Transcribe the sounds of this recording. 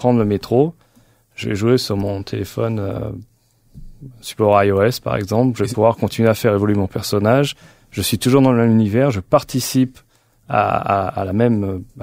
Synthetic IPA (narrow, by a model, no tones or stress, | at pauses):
pχɑ̃d̪ʁləmet̪χo | ʒ̥əvɛ̰ʒuesyʁmɔ̃t̪ʰelefɔ̰nø̰ | sy̥pɔʁajoɛspa̰ʁɛ̰ɡzɑ̃plʒəvɛppuvwaʁkɔ̃t̪inɥeafɛʁevɔlɥemɔ̃pɛʁsɔnaʒ | ʒəsɥit̪uʒuʁd̪ɑ̃ləmɛmynivɛʁʒəpaʁt̪isip | a̰a̰ːlamɛm